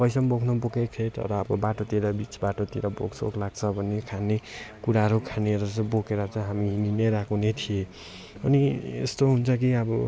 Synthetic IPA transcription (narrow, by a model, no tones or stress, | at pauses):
bʌjsʌmbokʰnʌbokekt̪ʰet̪ʌ̰ɾʌːbʌbaʈot̪iɾʌbit͡sbaʈot̪iɾʌbo̰ɡsʰo̰klaɡ̚t͡sʰʌbʱʌnːekʰanekuɾaɦʌɾukʰaneɾʌt͡sʌbokeɾʌt͡sʌ̃ɦamiɦininʌjɾakʰunet̪ʰie | ʌ̰niḛst̪oɦunt͡sʰʌk̬iʌbʌ